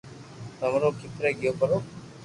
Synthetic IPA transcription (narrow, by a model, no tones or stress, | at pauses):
t̪əmɾoːkɪt̪ɾeːɡɪjoːpəɾoː